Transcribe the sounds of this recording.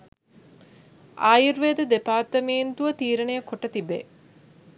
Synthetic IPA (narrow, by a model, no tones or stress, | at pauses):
ʔaːjiɾʋeːd̪əd̪epaːt̪əmiːnt̪uʋət̪iːɾənejəkoʈət̪ibḛ